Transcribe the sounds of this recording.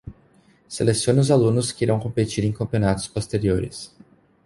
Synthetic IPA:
selesiõnʊzalũnʊskɪiɾɐ̃w̃kõpet͡ʃiɾẽj̃kɐ̃mpionat̪ʊ̥spost̪eɾioɾɪ̰s

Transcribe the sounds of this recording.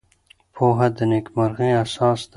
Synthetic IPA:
pʰoːɦɐd̪ənekmɐɾɣẽːasɑːsd̪

